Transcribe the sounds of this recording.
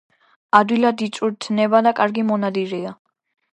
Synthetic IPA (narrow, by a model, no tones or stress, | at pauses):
ad̪wilad̪it̪sʼuɾt̪ʰnɛbad̪akʼaɾɡimɔnad̪iɾia